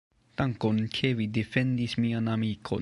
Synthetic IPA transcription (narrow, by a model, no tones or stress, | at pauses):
t̪aŋkonkʰevid̪efend̪ismianamiːkʰo̰